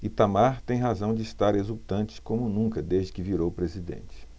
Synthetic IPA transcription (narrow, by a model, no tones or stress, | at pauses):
it̪amaɾt̪ẽj̃ɦazɐ̃w̃d͡ʒɪist̪aɾezut̪ɐ̃nt͡ʃɪ̥kõmʊnũkɐd̪ezd͡ʒɪkɪviɾowpɾezid̪ḛ̃nt͡ʃɪ̥